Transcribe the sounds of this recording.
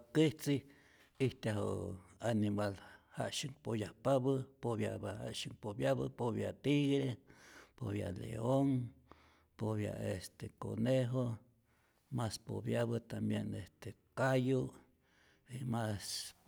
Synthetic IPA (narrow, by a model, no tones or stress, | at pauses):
kiht͡si | iht̪aɦo̰animalha̰ʔʃɨŋpojahpaβɨpoβja̰bhaʃɨŋpobjaβɨ̰poβja̰t̪iɣɾepoβja̰lḛoŋ | poβja̰est̪eko̰neɦo | maspo̰bjaβɨt̪ambjenest̪ekaju | imas